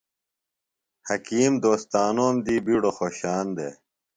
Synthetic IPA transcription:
hɐkiːmd̪oːst̪aːnoːmd̪iːbiɽoxoːɕaːnd̪ḛ

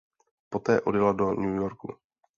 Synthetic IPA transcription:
po̞t̪ɛːʔo̞̰djɛlado̞ɲuːjoɾkṵ

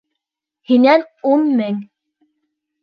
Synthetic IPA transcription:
hinæn | unmɘŋ

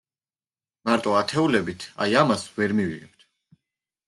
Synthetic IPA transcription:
maɾt̪ʼɔat̪ʰɛulɛbit̪ʰa̰jamasvɛɾmiviʁɛp̚t̪ʰ

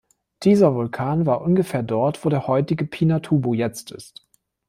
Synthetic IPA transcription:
d̥iːzɐvʊlkʰaːnvaːɐʔʊnɡəfeːɐdɔɐtv̥oːɾeːɐhɔʏtɪɡəpʰiːnatʰuːbojɛt͡stɪ̰st

